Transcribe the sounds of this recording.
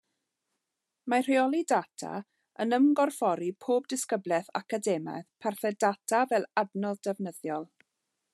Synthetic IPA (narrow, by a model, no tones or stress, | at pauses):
mar̥ɪɔlˠidatʰa̰ | ənəmɡɔrfɔɾipʰoːb̚dɪskəblˠɛθa̰kadɛma̰jðpʰarθɛdatʰavɛlˠadnɔldɛvnəðjɔlˠ